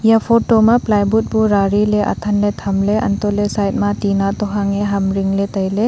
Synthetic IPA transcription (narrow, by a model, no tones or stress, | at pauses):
japʰɔtɔmaplajbut̚buɾaɾileʔa̰tʰanletʰɐmleʔɐ̰ntɔlesajt̚matinatɔɦaŋeɦɐmɾiŋletɐjle